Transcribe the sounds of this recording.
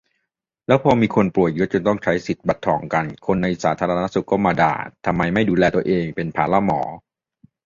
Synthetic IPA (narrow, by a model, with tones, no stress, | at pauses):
lɛː˦˥wpʰɔː˧miː˧kʰo˧npu˨˩ət̪̚jɯ˦˥t͡ɕo˧nt̪ɔ˥˩ŋt͡ɕʰa˦˥jsi˨˩t̪̚ba˨˩t̪ʰːɔː˩˦ŋka˧nkʰo˧nːa˧jsaː˩˦t̪ʰaː˧ɾa˧a˦˥su˨˩kːɔː˥˩maː˧da̰ː˨˩t̪ʰːa˧mːa˧jma˥˩jduː˧lɛː˧t̪u˧ɐʔeː˧ŋpe˧npʰaː˩˦la˧˥mɔ̰ː˩˦